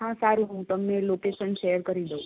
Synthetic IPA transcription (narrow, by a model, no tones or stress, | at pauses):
ɦãsaɾũɦũt̪əmnelokeʃənʃejəɾkəɾid̪əu